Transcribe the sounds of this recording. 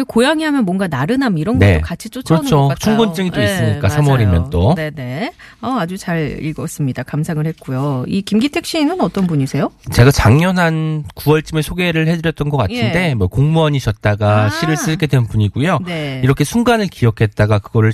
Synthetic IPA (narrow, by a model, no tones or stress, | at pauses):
kojaŋiɦamjʌnmwʌnɡanaɾɯnamiɾʌnɡnɡe̞̰tokat͡ɕʰit͡ɕ͈okt͡ɕɯɾʌt͡ɕʰot͡ɕʰuŋɡont͡ɕ͈ɯŋit͈ois͈ɯmɲik͈asʰamʌɾimjʌnt͈onene̞ | ʌad͡ʑut͡ɕaɾḭɭɡʌs͈ɯmɲidakamsʰaŋɯɭhe̞t̚k͈ujoikimɡitʰe̞k̚ɕ͈imɯnʌt͈ʌnbuɲisʰe̞jot͡ɕe̞ɡat͡ɕaŋɲʌnɦankuwʌɭt͡ɕ͈imesʰoɡe̞ɾɯɭhe̞dɯɾjʌt̚t͈ʌnɡʌk͈atʰinde̞mʌkoŋmuaɲiɕʰʌt̚t͈aɡaɕʰiɾɯɭs͈ɯɭke̞dwennbuɲiɡujoneiɾʌkʰe̞sʰuŋɡanɯɭkiʌkʰe̞t̚t͈aɡakɯɡʌɾɯɭ